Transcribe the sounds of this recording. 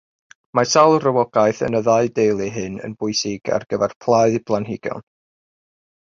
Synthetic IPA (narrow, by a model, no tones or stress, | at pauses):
masalˠrəwɔɡ̥aɨθə̰nəðaɨdejlˠiɦɨnə̰nbʊɨsɪɡa̰rɡ̥əvɛrpʰlˠaɨðblˠanɦɪɡ̥jɔ̰n